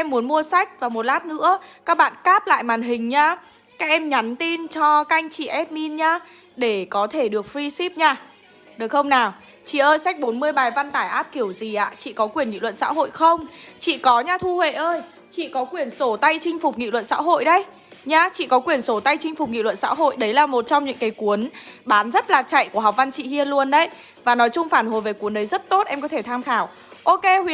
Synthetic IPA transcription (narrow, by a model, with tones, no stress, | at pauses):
ʔɛ˧mːu˨˦ənmu˧əsa˦˥jk̟̚vaː˨˩mo˨˩t̚laː˦˥p̚nɨ̰˧˥əkaː˦˥k̚ɓa̰ː˧˨nkaː˦˥p̚la̰ː˧˨jmaː˨˩nɦï˨˩ŋ̟ɲaː˧ | kaː˦˥k̚ʔɛ˧mɲa˨˦nt̪i˧nt͡ɕɔ˧ka˧jŋ̟t͡ɕḭ˧˨ʔɛ˦˥t̚mi˧nɲaː˧ | ɗe˧˩kɔ˨˦t̪ʰe˧˩ɗɨ˨˩ək̚fɹi˧si˦˥p̚ɲaː˧ | ɗɨ˨˩xə˧wŋ͡mnaː˨˩w | t͡ɕḭ˧˨ʔəː˧jsa˦˥k̟̚ɓo˨˦nmɨ˧əjɓaː˨˩jva˧nt̪aː˧˩jʔaː˦˥p̚ki˧˩əwzi˨˩ʔa̰ː˧˨t͡ɕḭ˧˨kɔ˨˦kwi˨˩ənŋḭ˧˨lwə̰˧˨nsa̰ː˧˥ɦo̰˧˨jxə˧wŋ͡mt͡ɕḭ˧˨kɔ˨˦ɲaː˧t̪ʰu˧hwḛ˧˨ʔəː˧j | t͡ɕḭ˧˨kɔ˨˦kwi˨˩ənso˧˩t̪a˧jt͡ɕï˧ŋ̟fʊ˨˩k͡p̚ŋḭ˧˨lwə̰˧˨nsa̰ː˧˥ɦo̰˧˨jɗə˨˦j | ɲaː˧t͡ɕḭ˧˨kɔ˨˦kwi˨˩ənso˧˩t̪a˧jt͡ɕï˧ŋ̟fʊ˨˩k͡p̚ŋḭ˧˨lwə̰˧˨nsa̰ː˧˥ɦo̰˧˨jɗə˨˦jlaː˨˩mo˨˩t̚t͡ɕɔ˧wŋ͡mɲɨ̰˧˥ŋkaː˨˦jku˨˦ənɓaː˨˦nzə˦˥t̚laː˨˩t͡ɕa̰˧˨jku˧˩əɦa˨˩wk͡p̚va˧nt͡ɕḭ˧˨hi˧ənlu˧ənɗə˨˦j | vaː˨˩nɔ˨˦jt͡ɕʊ˧ŋ͡mfaː˧˩nho˨˩jve˨˩ku˨˦ənɗə˨˦jzə˦˥t̚t̪o˦˥t̚ʔɛ˧mkɔ˨˦t̪ʰe˧˩t̪ʰaː˧mxaː˧˩w | ʔo˧ke˧hwi˧˩ə